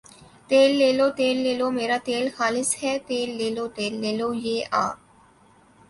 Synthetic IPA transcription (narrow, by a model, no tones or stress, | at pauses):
t̪eːlːeːloːt̪eːlːeːloːmeːɾaːt̪eːlxaːlɪshɛːt̪eːlːeːloːt̪eːlːeːloːjeːʔa̰ː